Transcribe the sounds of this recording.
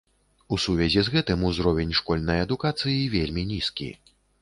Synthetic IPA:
usuvʲɛzʲizɣɛt̪ɨmuzɾɔvʲɛnʲʂkɔlʲnɐjɐd̪ukat̪sɨjivʲelʲmʲinʲiskʲḭ

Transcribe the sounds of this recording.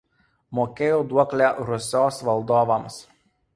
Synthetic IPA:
moːkʲeːjoːd̪uɔklʲɛɾʊsʲoːsʋɐlˠd̪oːʋɐms

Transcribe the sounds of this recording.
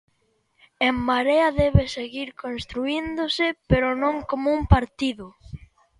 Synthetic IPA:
emmaɾeɐðɛβeseɣiɾkonst̪ɾuind̪osɪpeɾonõŋkomoumpaɾt̪iðʊ

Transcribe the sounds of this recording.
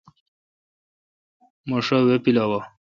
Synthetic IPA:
moʂawepilawa

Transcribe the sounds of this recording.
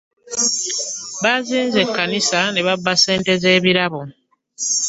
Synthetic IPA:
βaziːnze̞kːanisane̞βabːase̞ːnte̞ze̞ːβiɾaβo

